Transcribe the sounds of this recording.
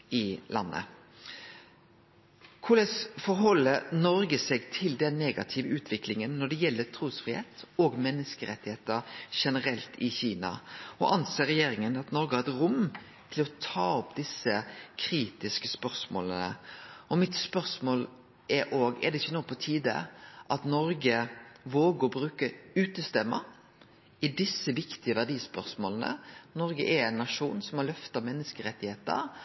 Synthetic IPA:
ɪlʔɑ̰nːə̰ | kʰʊlɛsfɔɾɦɔlːəɾnɔɾɡəsɛɡt̪ʰɪld̪ɛnːeːɡɑ̰t̪ʰɪːʋəʉːt̪ʰʋɪklɪŋənːɔɖ̪ɛjɛlːət̪ʰɾuːsfɾɪhḛːt̪ɔːɡmɛnːəskəɾɛt̪ːɪheːt̪əɾʃɛnəɾɛlt̪ʰɪçiːnɑ̰ɔ̰ʔɑnseːɾɛjeːɾɪŋənɑt̪nɔɾɡəhɑɾɛt̪ɾʊm | t̪ʰɪlɔt̪ʰɑːɔpd̪ɪsːəkʰɾiːt̪ɪskəspœɾsmo̰ːlənə̰ɔmɪt̪spœɾsmoːl | ʔɛɾʔoːɡɛ̰d̪ɛɪçːənuːɡpʰɔt̪ʰiːd̪ə̰ʔɑt̪nɔɾɡəʋoːɡəɾɔbɾʉːkəʉːt̪əst̪ɛmːə̰ | ɪd̪ɪsːəʋɪkt̪ɪəʋæʁd̪iːspœɾsmoːlənə̰nɔɾɡəʔɛɾɛɪnːɑʂuːnsɔmɑlœft̪ɑmɛnːəskəɾɛt̪ːɪheːt̪ə̰ɾ

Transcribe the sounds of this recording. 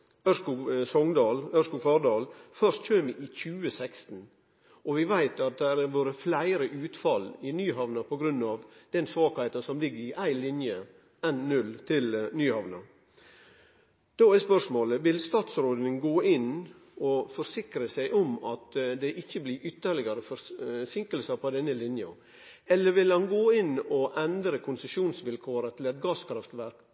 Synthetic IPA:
œʂkusɔŋd̪ɑːlœskʊfɑɾd̪ɑːlfœɾʂt̪c͡çøːʋɪʔɪçʉːəsækst̪n̩ | ʔɔʋɪʋæɪt̪ɑt̪̚d̪ɛɾæɾʋoːɾəflæɪɾəʔʉːt̪fɑlɪnyːɦɑʋnɑpʰɔɡɾʉnːɑʋd̪̥ɛnsʋɑːkæɪt̪ɑsɔmlɪɡːəɾɪʔæɪlɪnjə | ɛnnʉlt̪ʰɪlnyːhɑʋnɑ | d̪̥oːæspœʂmoːləʋɪlst̪ɑːt̪sɾoːd̪ɪŋɡoːʔɪn | ɔfɔɾsɪkɾəsæɪʔɔmɑt̪d̪ɛʔɪçːəbliːʔʏt̪ːəɭɪɡɑɾəfɔsɪŋkəlsɑpʰɔd̪ɛnːəlɪnjɑ̰ | ɛlːəɾʋɪlhɑnɡoːɪnɔʔɛnd̪ɾəkʰʊnsəʃuːnsʋɪlkʰoːɾət̪ʰɪlɛt̪̚ɡɑːskʰɾɑft̪ʋæɾk

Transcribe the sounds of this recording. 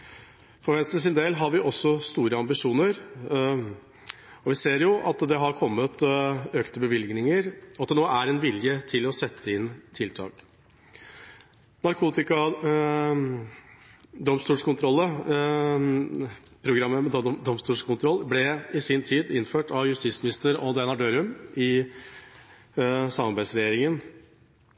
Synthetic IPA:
fɔɾʋɛnst̪ɾəs̬ɪnd̪eːlɦɑɾʋɪʔɔsːɔst̪uːɾəɑmbɪʂuːnəɾ | ɔʋɪseːɾjʊʔɑt̪d̪ɛɦɑɾkʰɔmːət̪øːkt̪əbəʋɪlɡnɪŋəɾɔɑt̪̚d̪ɛnoːʔæɾɛnʋɪljət̪ʰɪlɔsɛt̪ʰːəɪnt̪ʰɪlt̪ʰɑ̰ːk | nɑɾkʰuːt̪ɪkɑ | d̪ɔmst̪uːlʂkʰʊnt̪ʰɾɔlːə | pʰɾʊɡɾɑmːəmɛd̪ɔmst̪uːʂkʰʊnt̪ʰɾɔlːblɛɪsɪnt̪ʰiːd̪ɪnføːʈʰɑʋjʉst̪ɪsmɪnɪst̪əɾɔd̪ɛnɑɖøːɾʉmɪ | sɑmɑɾbæɪsɾɛjeːɾɪŋən

